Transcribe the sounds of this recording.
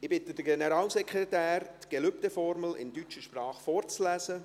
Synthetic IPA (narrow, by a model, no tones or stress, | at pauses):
ɪb̥ɪt̪əd̥əɡɛnəɾɑːlsɛkʰɾetæːɾt̪ɡ̥ɛløp̚t̪efɔɾməl̩ɪ̰ndyt͡ʃəʃprɑːχfoːɾt͡slæːsə